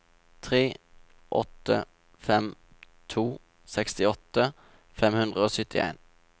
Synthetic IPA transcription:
t̪ʰʁeː | ʔɔ̰t̪ːə̰ | fɛm | t̪ʰuː | sɛkst̪ɪɔt̪ːə | fɛmhʉnd̪ʁəoːsʏt̪ɪ̰ḛːn

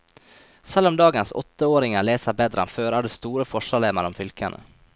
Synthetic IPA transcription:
sɑləmd̪ɑːɡənsɔ̰t̪ːəoːɾɪŋaɭeːsaɾbɛd̪ɾa̰nføːɾæɖɛst̪uːɾəfɔʂaɭeːmaɾɔmfʏlkʰanə̰

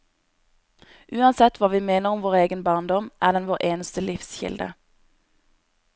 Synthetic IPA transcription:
ʔʉːɑnsɛt̪ʰʋɑːʋiːmeːnəʁʊmʋoːʁeːɡənbɑːʁnd̪ɔmʔæːʁd̪ɛnʋoːʁʔeːnəst̪əlɪfsçɪ̰ld̪ə̰

